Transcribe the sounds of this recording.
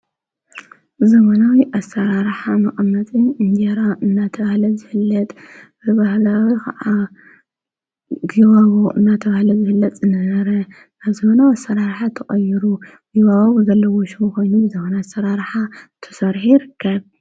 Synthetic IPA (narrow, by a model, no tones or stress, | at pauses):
zɐmɐnawiʔasːɐɾaɾħamɐχʼmːɐt̪ʼiɨnd̪eɾaʔɨnːat̪ʰɐβahlɐzɨhɨlːɐt̪ʼ | b̥ɨβahlawikʰɐ̰ʔa | ɡiwaɡoʔɨnːat̪ʰɐβahlɐzɨhɨlːɐt̪ʼɨnɐɐɾɐ | aβzɐmɐnawiasɐɾaɾħat̪ʰɐχʼɐjːɪɾu | ɡiwawoβzɐlːɐwoʃumko̞jnubɨzɐmɐnasɐɾaɾħat̪ʰɨ̥sɐɾħijɪɾɨkʰːɐβ